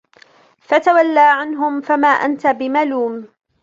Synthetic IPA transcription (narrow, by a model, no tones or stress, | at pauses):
fat̪awalːaːʕanɦʊmfamaːʔa̰nt̪abɪmaluːm